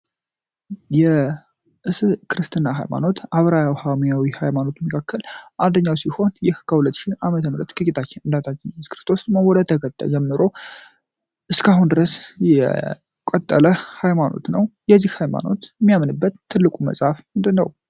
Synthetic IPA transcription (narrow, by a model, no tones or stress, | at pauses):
jɛ | ʔɨskʰɨɾɨst̪ʰɨnːaɦa̰jma̰no̞t̪ʔaβɾajawhamijawihajmano̞t̪məkʰakʰːəlʔand̪əɲːawsiho̞njɛhkʰːəhulət̪ːʃihʔamət̪ʰəmɾət̪kɨt͡ʃʼɪt̪ʰat͡ʃːɪnɨnd̪at̪ʰat͡ʃːɪnsoskɨɾɨ̥st̪ʰo̞sməwɔd̪ət̪ʰəɡət̪ʼːə̰d͡ʒɛmːɨɾo̞ | ʔɨskaɦund̪ɨɾəsjɛ̰ | kʼət̪ʼːə̰ləhajmano̞̰t̪nəwjɛzːihhajma̰no̞̰t̪ɛmːijamnɨbːət̪ʰːɨlːɨkʼumə̰sʼhafmɨnd̪ɨnːəw